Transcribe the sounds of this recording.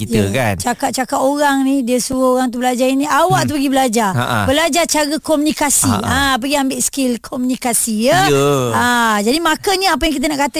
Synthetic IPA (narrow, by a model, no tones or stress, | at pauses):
kijəant͡ʃakat̪̚t͡ʃakat̪oɾaŋnĩdiəsuɾaoɾaŋt̪̬ubəlad͡ʒaɾiniʔawaʔt̪̬upəɡibəlad͡ʒaa̰bəlad͡ʒat͡ʃaɡəkomunikasiãp̬əɡiambɪʔskɪlkʰomunikasijəad͡ʒadimãkəɲaap̬ajaŋkit̪̬anaʔkat̪a